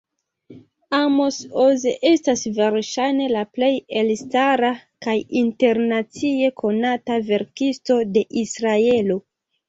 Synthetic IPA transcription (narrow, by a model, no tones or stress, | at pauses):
amo̞sozeʔe̞stasve̞ɾʃajne̞laple̞je̞lstaɾakajinte̞ɾnat͡sie̞kʰo̞natave̞ɾkisto̞de̞ʔisɾae̞lo